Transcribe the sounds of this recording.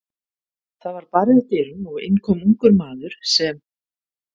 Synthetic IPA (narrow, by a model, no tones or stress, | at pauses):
θaðvaɾ̥paɾðɪcɪːɾʏmɔɣɪ̰nkʰɔmuŋkʏɾmaːðʏɾ̥sɛm